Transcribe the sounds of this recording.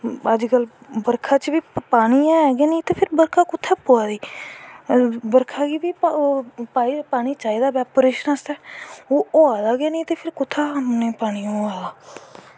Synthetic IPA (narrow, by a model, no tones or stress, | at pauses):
əd͡ʒkəlbəɾkʰaːt͡ʃbiːpaːɽ̃iːɛːɡeːnĩːt̪eːpʰɪɾbəɾkʰaːkʊt̪ʰːaːpoːaːd̪iː | bəɾkʰaːɡiːbiː | paːipaːɽ̃iːt͡ʃaːiːd̪aːbɛːpɾeːʃənəst̪ɛːoːoːaːd̪aːɡeːnĩːt̪eːpʰɪɾkʊt̪ʰːaːəmnẽːpaːɽ̃iːõaːd̪aː